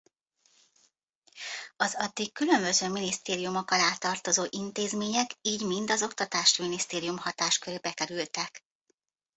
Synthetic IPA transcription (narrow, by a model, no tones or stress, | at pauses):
ɒzɒd̪ːikːylø̞mbø̞zøːminist̪eːɾijumo̞kːɒlaːt̪ːɒrt̪o̞zoːʔint̪eːzmeːɲɛkiːɟmind̪ɒzo̞kt̪ɒt̪aːʃminist̪eːɾijumhɒt̪aːʃkøɾeːbɛkɛɾylt̪ɛk